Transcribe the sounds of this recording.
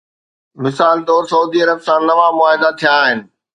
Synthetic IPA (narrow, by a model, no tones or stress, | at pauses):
mɪsaːld̪ɔːɾsɐuːd̪iɐɾəbsãnɐʋamʊaːɦɪd̪at̪ʰijaɦɪnɪ̆